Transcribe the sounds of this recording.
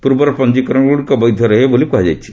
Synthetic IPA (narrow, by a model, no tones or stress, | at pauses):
puɾbɔɾpɐnd͡ʑikɾɔɳɡuɽikɔbəjd̪ʱjɔɾɐɦebolikuɦad͡ʒa̰jt͡ʃʰi̥